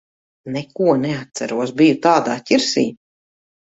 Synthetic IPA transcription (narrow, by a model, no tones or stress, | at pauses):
nɛkuɔnɛat̪̚sæɾuɔsbijut̪aːd̪aːtʲiɾsḭː